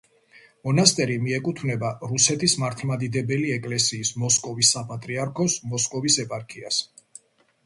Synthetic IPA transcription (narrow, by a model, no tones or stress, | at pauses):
mɔnast̪ʼɛɾimiɛkʼut̪ʰvnɛbaɾusɛt̪ʰismaɾt̪ʰmad̪id̪ɛbɛliɛkʼlɛsiːsmɔskʼɔvisːapʼat̪ʼɾiaɾkʰɔsmɔskʼɔvisɛpʼaɾkʼia̰s